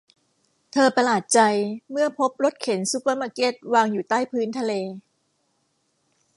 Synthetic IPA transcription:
t̪ʰɤː˧pa˧laː˨˩t̪̚t͡ɕa˧jmɯ˥˩ɐpʰo˦˥p̚ɾo˦˥t̪̚kʰe˩˦nsu˧˦paː˧maː˧ke˦˥t̪̚waː˧ŋjuː˨˩t̪aː˥˩jpʰɯː˦˥nt̪ʰa˧leː˧

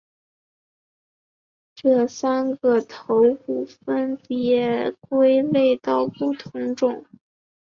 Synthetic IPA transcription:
ʈ͡ʂɤ˥˩sa˥nɡə˨t̪ʰo˧˥ʊu˥˨˩fə˥npjɛ˧˥kwe˥ɪle˥˧ɪt̪ɑ˥˧ʊpu˥˩t̪ʰʊ˧˥ŋʈ͡ʂʊ˨˩˦ŋ

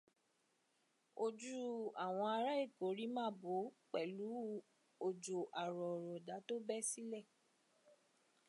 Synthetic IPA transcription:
o˦d͡ʒu˦a˦˨w̃ɔ̃˧a˧ɾa˦i˦˨ko˨˦ɾi˦mãː˦˨bo˨˦k͡pɛ˨lu˨˦ | o˨d͡ʒo˨ʔa˨ɾɔ˨ɾɔ˨da˨˦to˦bɛ˦si˦lɛ˦˨

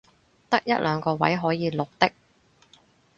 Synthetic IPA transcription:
t̪ɐ˥k̚jɐ˥t̚lʔœː˨˧ŋkɔː˧wɐ̰˨˥jɦɔː˨˥jiː˨˧lʊ˨k̚t̪ɪ˥k̚

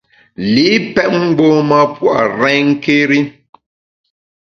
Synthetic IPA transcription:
li˨˦pɛ˦ʔ̚ŋ͡m̩˦ɡ͡bo˦ma˦pwa̰˨ɾɛ̃˦ŋ̩˦ke˦ɾi˦

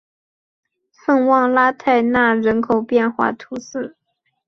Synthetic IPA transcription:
fə˥˧nwɑ˥˧ŋla˥t̪ʰa˥˧ɪna˥˩ɻə˧˥nkʰo˨˩ʊpjɛ˥˧nxwa̰˥˩t̪ʰu˧˥sɹ̩˥˩

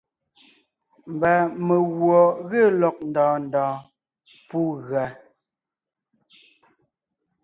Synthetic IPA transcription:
m˨ba˨me˨ɣwɔ˨ɣə˦˨lɔ˨k̚n̩˨dɔ̃ː˨n˨dɔ̃ː˨ | pu˦ɣɰa˨

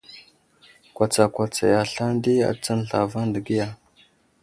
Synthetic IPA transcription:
kʷa˨t͡sa˨kʷa˨t͡sa̰˨ja˨ɬa˦n˦di˦a̰˨t͡sa˦nɬa˨va˦ndə˨ɡi˦ja˨

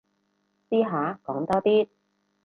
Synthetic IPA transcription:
siː˥ɦaː˨˥kɔː˨˥ŋt̪ɔː˥t̪iː˥

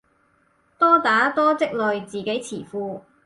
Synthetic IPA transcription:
t̪ɔː˥t̪aː˨˥t̪ɔː˥t͡sɪ˥k̚lɵ˨ɥt͡siː˨˩ke˨˥jt͡sʰiː˨˩fuː˧

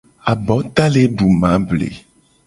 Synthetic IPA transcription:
a˨bɔ˨˦t̪a˦le˦ɖu˨mã˨˦blḛ˨

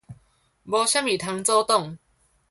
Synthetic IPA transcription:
bɔ˧ɕa˥mi˨˩t̪ʰə˧ŋt͡sɔ˥˦t̪ɔ˥˨ŋ

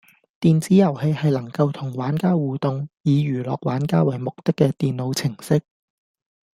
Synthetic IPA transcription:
t̪iː˨nt͡siː˨˥jɐ˨˩whe˨˧jhɐ˨jlɐ˨˩ŋkɐ˧wt̪ʰʊ˨˩ŋwaː˨˥nkaː˥wwuː˨t̪ʊ˨˧ŋjiː˨˧ɥyː˨˩lɔ̰ː˨˧k̚waː˨˥nkaː˥wɐ˨˩jmʊ˨k̚t̪ɪ˥kːɛː˧t̪iː˨nlo˨˧wt͡sʰɪ˨˩ŋsɪ˥k̚

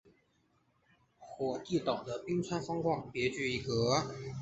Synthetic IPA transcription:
xwɔ˨˩t̪i˥˩t̪ɑ˨˩ʊd̪ə˦pi˥ŋt͡sʰwa˥nfɑ˥ŋkwɑ˥˩ŋpjɛ˧˥t͡ɕy˥˧i˥˩kɤ˧˥

